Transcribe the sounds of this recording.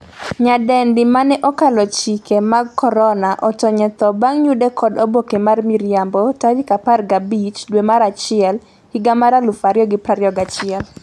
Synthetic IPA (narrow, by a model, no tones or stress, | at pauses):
ɲadɛndɪmanɛʔɔkalɔt͡ʃikemaɡkɔɾɔnaʔɔtɔɲɛt̪ɔbaŋɲudɛkʰɔdobokemarmiɾjambɔtawikaparɡabit͡ʃdwemaɾat͡ʃɪɛl | hiɡamaɾalufaɾjɔɡɪpɾaɾjɔɡat͡ʃɪɛl